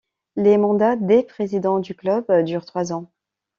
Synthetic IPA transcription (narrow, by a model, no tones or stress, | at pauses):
lemɑ̃d̪ad̪epχezid̪ɑ̃d̪yklœbd̪yʁt̪χwazɑ̃